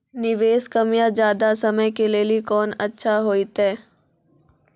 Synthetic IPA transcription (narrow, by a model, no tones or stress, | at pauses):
nɪʋeːskɐmjad͡ʒjaːd̪asɐməjkeleːlikɔːnɐtːʃʰaɦoːit̪ɦɛː